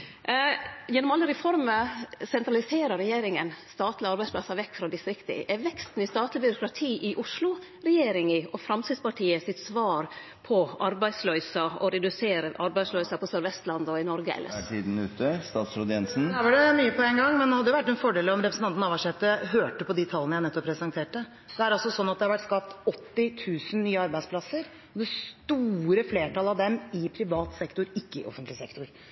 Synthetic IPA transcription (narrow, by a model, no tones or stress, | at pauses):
jɛnːɔmɑlːəɾɛfɔɾməsɛnt̪ɾɑlɪseːɾəɾɛjeːɾɪŋənst̪ɑːt̪lɪɑɾbæɪspʰlɑ̰sɑʋɛkːfɾɑd̪ɪst̪ɾɪkt̪ɪ̰ʔæɾʋɛkst̪n̩ɪst̪ɑːt̪lɪbʏɾʊkɾɑt̪ʰiːʔɪʔʊʂlʊ | ɾɛjeːɾɪŋɪɔfɾɑmt̪iːd̪spɑʈʰiːəsɪt̪sʋɑːɾ | pʰɔʔɑɾbæɪslœʏsɑɔɾɛd̪ʉseːɾəʔɑɾbæɪslœʏsɑpʰɔsœɾʋɛst̪lɑnd̪ɔɪnɔɾɡəɛ̰lːə̰ɾʰiːd̪n̩ʉːt̪əst̪ɑːt̪sɾoːd̪əjɛnsn̩æʋəɖɛmyːəpʰɔɛŋɡɑŋːmɛnɔhɑd̪ːjʊʋæʈːɛnfɔɖeːlɔmɾɛpɾəsn̩ɑnt̪n̩ɑːʋɑʂɛt̪ːəɦøːʈəpɔd̪ɪt̪ʰɑlənəjæɪnɛt̪ːɔpʰːɾɛsɛnt̪ʰeːʈə | d̪ɛæɾɑlsɔsɔnːɑt̪d̪hɑɾʋæʈːskɑpt̪ɔt̪ːɪt̪ʰʉːsənnyːəɑɾbæɪsplɑsəɾ | ɔd̪ɛst̪uːɾəfleːʈʰɑlɑʋd̪ɛmɪpʰɾɪʋɑːt̪sɛkt̪ʊɾɪkːəɪʔɔ̰fənt̪lɪsɛkt̪ʊɾ